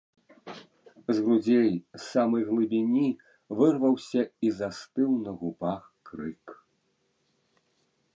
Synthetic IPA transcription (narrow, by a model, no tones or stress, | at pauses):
zɣɾud͡zʲejsamɨjɣlˠɨbʲinʲi | vɨrvɐwsʲɐizast̪ɨwnɐɣupaxkɾɨk